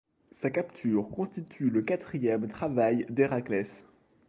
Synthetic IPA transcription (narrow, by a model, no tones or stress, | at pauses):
sakapt̪ʰyʁkɔ̃st̪it̪ʰyləkat̪χijɛmt̪χavajd̪eʁaklɛs